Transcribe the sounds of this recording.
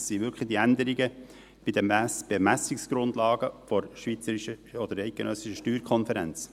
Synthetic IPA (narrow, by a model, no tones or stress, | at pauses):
ssivʏkʰχlid̥̪iænd̪əɾiɡə | b̥ɪd̪əmb̥emæsɪksɡ̥ɾʊnd̪lɑːɡəfɔɾʃʋit͡səɾiʃəɔd̪əɾɛɪt̪̚ɡ̥enʔœsɪʃəʃtyːɾkʰɔnfɛɾɛnt͡s